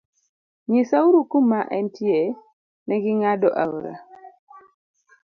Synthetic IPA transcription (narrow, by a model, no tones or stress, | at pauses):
ɲisauɾukumaʔɛntʰie | nɛɡiŋadɔʔauɾa̰